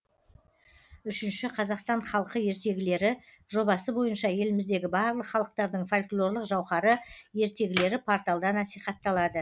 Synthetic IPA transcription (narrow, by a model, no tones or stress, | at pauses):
ʏʃɪnʃɪqʰɑzɑqst̪ɑnχɑlˠqəje̞ɾt̪e̞ɡʲɪle̞ɾɪʒo̞bɑsəbo̞jənʃɑje̞lɪmɪzd̪e̞ɡʲɪbɑɾlˠəqχɑlˠəq̚t̪ɑɾd̪əɴfolʲklˠo̞ɾlˠəqʒɑwχɑɾəje̞ɾt̪e̞ɡʲɪle̞ɾɪpʰoɾt̪ɑlˠd̪ɑnɑsijχɑt̪ːɑlˠɑd̪ə